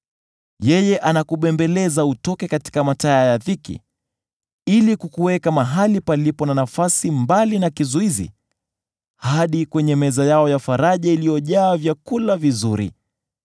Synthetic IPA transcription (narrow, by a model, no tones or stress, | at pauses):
jɛjɛʔanakuɓɛmbɛlɛzautɔkɛkati̥kamataajaðikḭ | ilikukuwɛkamaɦalipalipɔnanafasimbalinakizuizḭ | haɗikwɛɲɛmɛzajaɔjafaɾaʄailijɔʄaːvjakulavizuɾḭ